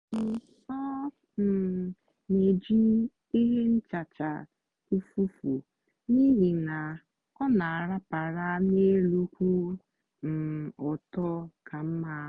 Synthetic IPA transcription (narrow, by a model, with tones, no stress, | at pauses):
n̩˨sɔ˦ | m̩˨ | ne˨d͡ʒi˦ | i˦ɦe˦n̩˦t͡ʃa˨t͡ʃa̰˨ | u˦fu˦fu˨ | ni˦ɦi˨na˨ | ɔ˦na˨a˨ɾa˦pa˨ɾa˦ne˦lu˦kʷu˦ | m̩˨ɔ˨tɔ˦kʰa˨m̩˦ma˨˦